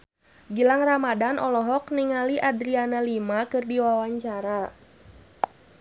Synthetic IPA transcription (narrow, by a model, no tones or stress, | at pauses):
ɡilaŋramadanʔɔlɔɦɔk̚niŋaliʔadɾianalimakɨrdiwawaɲt͡ʃaɾa